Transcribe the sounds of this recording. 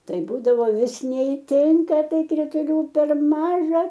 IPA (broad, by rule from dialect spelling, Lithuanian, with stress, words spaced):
ˈtɐɪ ˈbuːdɐʋoː ˈʋʲɪs nʲɛɪˈtʲɪŋkɐ ˈtɐɪ krʲɪtʊˈlʲuː pʲɛr ˈmɑːʒɐ